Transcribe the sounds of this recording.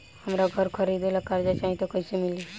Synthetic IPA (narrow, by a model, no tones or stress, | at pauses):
həmɾaɡʱəɾkʰəɾid̪elakaɾd͡ʒat͡ʃãːɦĩt̪okəɪsemɪli